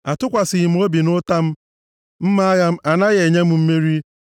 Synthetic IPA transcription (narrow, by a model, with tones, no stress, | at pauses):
a˨tʊ˦kʷa˨sɪ˨i˨m̩˨˦o˦bi˨nʊ˦ta˦m̩˦ | m̩˦ma˦ɣa˦m̩˦a˨na˦ɣe˨ɲe˦m̩˦m̩˦me˦ɾi˦